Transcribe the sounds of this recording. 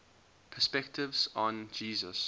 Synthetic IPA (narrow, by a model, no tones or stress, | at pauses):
pʰəspɛk̚tʰɪvzɔ̃nd͡ʒiːzə̰s